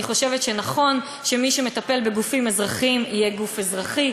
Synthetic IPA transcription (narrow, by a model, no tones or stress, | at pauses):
iχo̞ʃe̞vet̪ʃenaχo̞n | ʃemiʃeme̞t̪ape̞lbeɡufimezʁaχimijeɡufezʁaχi